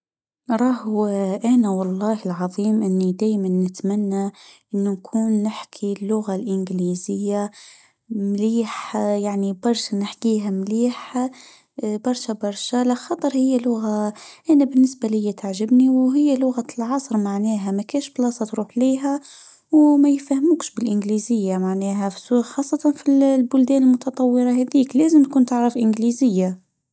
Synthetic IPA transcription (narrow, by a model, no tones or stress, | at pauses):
ɾˤɑːhʔanawɑlˤːɑːhɪlʕɑðˤiːmʔɪnːid̪aːjmanːɪt̪manːaʔɪnːunkʰuːnːɪħkʰilːʊɣalʔɪnɡliːzɪjːa | mliːħjaʕnibɑɾˤʃanɪħkiːɦamliːħ | bɑɾˤʃabɑɾˤʃalaxɑt̪ˤɑɾˤhɪjːalʊɣaʔænabɪnːɪsbalɪjːæt̪aʕʒɪbniwɦɪjːælʊɣalʕɑsˤɾˤmaʕnɛːɦæmækæːnʃblɑːsˤɑt̪ɾuːħliːɦæ | wmæjfæhmuːkʃbɪlʔɪnɡlizɪjːamaʕnɛːɦæfsuxɑːsˤːɑt̪ɑnfillbʊld̪ɛːnɪlmʊt̪ɑt̪ˤɑwːɪɾˤɑhæd̪iːklæːzɪmt̪̚kunt̪aʕɾˤɑfʔɪnɡlizɪjːa